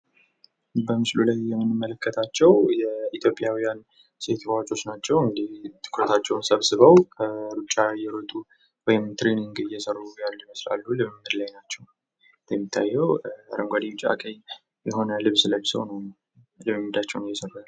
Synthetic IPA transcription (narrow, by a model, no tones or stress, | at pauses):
bəmɨslulajːɛmːɨnːɨmːələkːət̪ʰat͡ʃːɛwjɛit̪ʰjo̞pʼɪjawijan | set̪ʰbat͡ʃʼo̞t͡ʃːnat͡ʃːɛwɨŋd̪iht̪ʰɨ̥kʰɾət̪ʰat͡ʃːɛwnsəβsɨβəwkʰəɾut͡ʃʼːajɛɾət̪ʼu | wɔjɪmt̪ɾeniŋɡɨjɛsərːujalːjiməsla̰lːulɨβɨmːɨd̪lajnat͡ʃːɛw | d̪jɛmːit̪ʰːa̰jːɛwaɾəmɡʷad̪iwt͡ʃʼa̰kʼəj | jɛɦo̞nəlɨβsɨlət͡ʃːsəwnəwn | lɨmimːɨd̪at͡ʃːɛwnɨjːɛsərːa